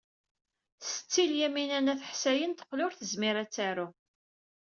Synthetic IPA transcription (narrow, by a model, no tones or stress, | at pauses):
sə̥t͡sːiljæminænæθħsæjənt̪ə̥qːlʊɾθəzmɪɾæt͡sːæɾʊ